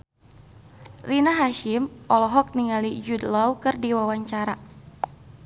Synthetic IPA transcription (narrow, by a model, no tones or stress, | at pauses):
rinaɦaʃɪmʔɔlɔɦɔk̚niŋalid͡ʒud̪lawkɨrdiwawaɲt͡ʃaɾa